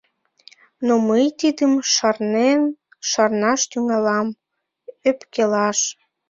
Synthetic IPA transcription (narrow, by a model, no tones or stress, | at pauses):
noməjt̪id̪əmʃɑrnen | ʃɑrnɑʃt̪yŋɑlɑm | øpkelɑʃ